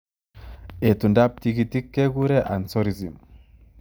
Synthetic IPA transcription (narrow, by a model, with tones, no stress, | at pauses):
e˨tu˨nda˦p̚tikiti˦kːe˦ku˦ɾe˦ʔa˨nsɔ˦ɾi˨zi˨m